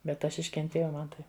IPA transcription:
bʲɛt ˈɐʃ ɪʃʲkʲɛnʲˈtʲeːjɛʊ ˈmɐn tɐɪ

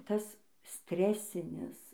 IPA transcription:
ˈtɐs ˈsʲtʲrʲæːsʲɪnʲɪs

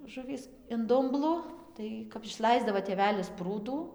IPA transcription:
ˈʒʊʋʲiːs ɪn ˈdʊmblˠʊ ˈtɐɪ kɐp ɪʃˈlˠɐɪzdɐʋoː tʲeːˈʋʲæːlʲɪs ˈpruːduː

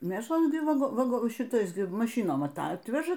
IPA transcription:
ˈmʲeːʃlˠɐ ˈɡʲɪ ˈʋɐ ʋɐˈɡoː ʃʲɪˈtɐɪs ˈɡʲɪ mɐˈʃʲiːnoːm ˈɑːtɐtʲʋʲɛʒɐ

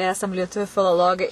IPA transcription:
ˈæːsɐm lʲiɛˈtʊʋʲuː fʲɪlˠoːˈlˠoːɡɐɪ

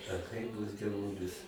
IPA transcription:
ɐ kɐɪ ˈduɔs dʲiɛˈʋʊlʲɪs

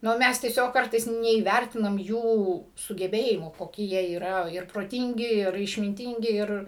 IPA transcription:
ˈnʊ ˈmʲɛs tʲiɛˈsʲoːk ˈkɐrtɐɪs nʲɛiːˈʋʲærʲtʲɪnɐm ˈjuː sʊɡʲɛˈbʲeːjɪmuː koːˈkʲɪ jiɛ iːˈrɐ ɪr proːˈtʲɪŋʲɡʲɪ ɪr ɪʃʲmʲɪnʲˈtʲɪŋʲɡʲɪ ˈɪr

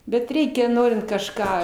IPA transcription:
bʲɛt ˈrʲɛɪkʲɛ ˈnoːrʲɪnt kɐʃˈkɑː

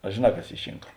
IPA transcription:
ɐ ʒʲeːˈnɐ kɐs ˈiː ˈʃʲɪŋkɐ

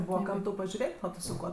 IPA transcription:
ˈbuːʋɐ ˈkɐm tɐʊ pɐʒʲʊˈrʲeːtʲ oː ˈtʊ sʊ ˈkuɔ

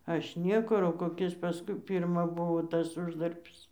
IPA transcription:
ˈɐʃ ˈnʲiɛkʊr oː koːˈkʲɪs pɐˈskʊɪ ˈpʲɪrmɐ ˈbʊʋoː ˈtɐs ˈʊʒdɐrʲbʲɪs

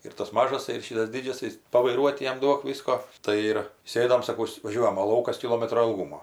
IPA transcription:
ɪr tɐs ˈmɑːʒɐs ɪr ˈʃʲiːtɐs ˈdʲɪd͡ʒʲɛsɐɪs pɐʋɐɪˈruɔt ˈjɛm ˈduɔk ˈʋʲɪskoː ˈtɐɪ ɪr ˈsʲeːdoːm sɐˈkɐʊs ʋɐˈʒʲuɔjɛm oː ˈlˠɐʊkɐs kʲɪˈlˠoːmɐtroː ɪlˠˈɡuːmoː

